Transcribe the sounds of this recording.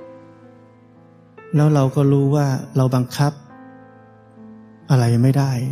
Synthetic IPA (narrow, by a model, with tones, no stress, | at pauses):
lɛː˦˥wɾa˧wkɔː˥˩ɾuː˦˥waː˥˩ɾa˧wba˧ŋkʰa˦˥p̚ | ʔa˧ɾa˧jma˥˩jdaː˥˩j